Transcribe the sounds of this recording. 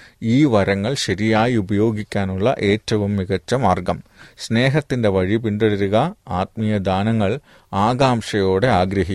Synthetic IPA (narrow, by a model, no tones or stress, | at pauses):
iːʋɐɾɐŋːɐɭɕɐɾijaːjiubɐjo̞ːɡikʲːaːnuɭːɐ̰ʔe̞ːtːɐʋumːiɣɐt͡ɕːɐmaːrɡɐmsne̞ːɦɐt̪ːinde̞ʋɐɻipiɳɖɐɽiɾuɣɐaːt̪̚mijɐd̪aːnɐŋːɐɭ | aːɡaːmʂɐjo̞ːɽe̞aːɡɾɐɦi